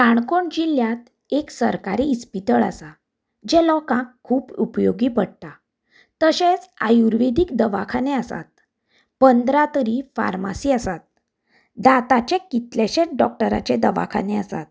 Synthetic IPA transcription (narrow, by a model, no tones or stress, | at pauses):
kaɳkoɳd͡ʑiljat̪ | eksəɾkaɾiːspit̪əɭa̰sa | d͡ʑɛlɔkãkʰːuːpupjoɡiːpəɽt̪a | t̪əɕẽt͡sajuɾʋed̪iːkd̪əʋakʰaneasa̰t̪̚ | pənd̪ɾat̪əɾifa̰ɾma̰siːasat̪̚ | d̪at̪at͡ɕekit̪leɕeɖɔk̚ʈəɾa̰t͡ɕed̪əʋa̰kʰa̰neasa̰t̪̚